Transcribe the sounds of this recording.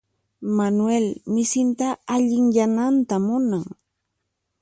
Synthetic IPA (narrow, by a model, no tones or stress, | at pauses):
manwelmɪsɪnt̪aːʎɪŋjanant̪amʊnaŋ